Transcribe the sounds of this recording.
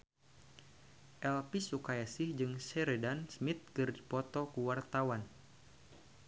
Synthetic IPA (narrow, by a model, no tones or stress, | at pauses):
ʔɛlpisukajasɪhd͡ʒɨŋsɛɾedansmit̪̚kɨrdipɔt̪ɔkuwart̪awan